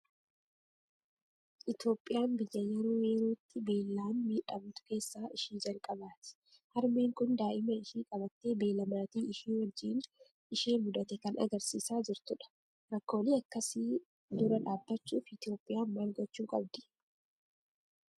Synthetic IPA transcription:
ʔɪt̪jo̞ːpʼːɪjaːnbɪjːɐjɐɾuːweːɾuːt̪ːɪbe̞ːlːaːnmiːᶑɐbuːt̪ʊ̥ke̞ːsːaːʔɪʃiːnd͡ʒɐlkʼɐbaːt̪ɪ̥ | hɐɾmeːŋkʊnd̪aːʔɪmɐɪʃiːkʼɐbɐt̪ːeːbe̞ːlɐmɐɾɐt̪iːɪʃiːnwɐd͡ʒːiːn | ɪʃeːnmʊd̪ɐt̪ɛkɐnʔɐ̰ɡɐɾsiːsaːd͡ʒɪɾt̪ʊᶑɐ̥ | ɾɐkːo̞ːliːɐkːɐsi | d̪ʊɾɐᶑaːbːɐt͡ʃːuːfɪt̪ɪjo̞ːpʼːɪjaːmmaːlɡɔt͡ʃːuːkʼɐ̰b̚d̪ɪ̥

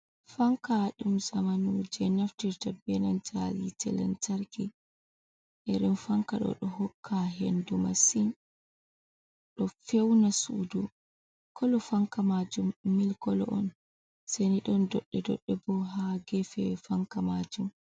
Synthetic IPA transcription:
faŋkaɗumzamanud͡ʒɛnaftiɾtabɛnand͡ʒalitɛlɛ̰ntaɾki | ʔɛɾɛnfaŋkaɗɔ̰ɗɔɦɔkʰːaɦendumasin | ɗɔfewnasudu | kʰɔlɔfaŋkamad͡ʒumːilkɔlɔʔɔn | seniɗɔndɔɗːɛdɔ̰ɗːɛbɔɦaɡɛfɛwfaŋkamad͡ʒum

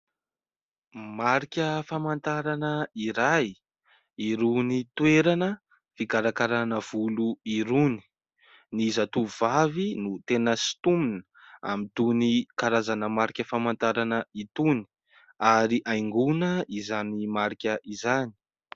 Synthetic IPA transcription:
maɾikʲəfamant̪aɾanəiɾaj | iɾunit̪weɾanə | fikaɾakaɾanəv̥uluiɾuni̥ | nizat̪uvavinut̪enəsi̥t̪uminə | a̰mit̪unikaɾazanəmaɾikʲəfamant̪aɾanəit̪uni̥ | aɾiʔajŋɡunəizanimaɾikʲəʔizani̥

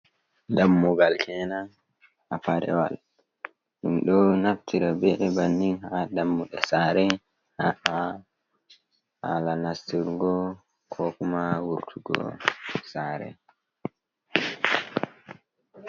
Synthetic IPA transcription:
damːuɡalkʰɛnan | ʔapaɾɛ̰wal | ɗumɗɔnaftiɾabɛʔɛbanːiŋhadamːuɗɛ̰saɾɛ | haʔa | halanastiɾɡɔ | kʰɔkumawuɾtʰuɡɔ̰saːɾɛ̰

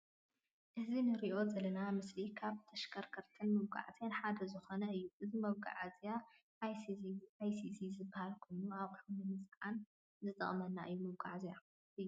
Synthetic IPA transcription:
ʔɨzinɨɾiʔo̞zɐlɐnamɨslikʰaβt̪ʰɐʃkʰɐɾkʰɐɾt̪ʰɐnmɐwɡa̰ʕt̪ʰenħad̪ɐzɨxo̞nɐɨjːuʔɨzimɐβɡa̰ʕazija | ʔjajsisizɨbːahalkʰo̞jnuaβħunɨnɨsʕan | zɨt̪ʰʼɐ̰χʼmɐnːa̰ʔɨjːumɐwɡa̰ʕzija | ɨjːu

